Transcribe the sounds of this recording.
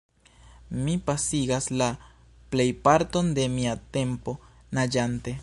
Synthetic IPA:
mipasiɡasla | ple̞jpaɾto̞nde̞miate̞mpo̞ | nad͡ʒante̞

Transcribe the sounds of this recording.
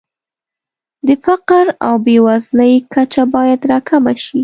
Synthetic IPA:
d̪əfaqɾa̰wbewazləjkat͡ʃabɑjad̪ɾɑkʰamaʃi

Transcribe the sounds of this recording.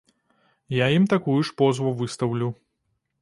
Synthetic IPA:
jajimt̪akujuʂpɔzvɐvɨst̪ɐwlʲu

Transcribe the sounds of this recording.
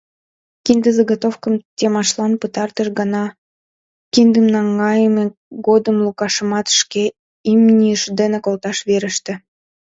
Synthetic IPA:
kind̪əzəɡot̪ofkəmt̪ʲemɑʃlɑnpət̪ɑrt̪əʃɡɑnɑ | kind̪əmnɑŋɡɑjəme | ɡod̪əmlukɑʃəmɑt̪ʃke | imnʲijəʃd̪enekolt̪ɑʃβeɾə̆ʃt̪ĕ

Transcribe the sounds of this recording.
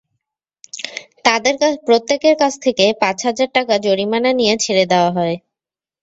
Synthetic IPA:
t̪ad̪eɾpɾot̪ːekeɾkat͡ɕʰt̪ʰekepat͡ɕɦad͡ʑaɾʈakad͡ʑoɽimananijet͡ɕʰeɾed̪eoaɦɔe

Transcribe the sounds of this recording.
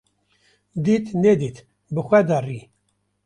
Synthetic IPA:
d̪iːt̪ned̪iːt̪ | bɨxʷɛd̪ɑri

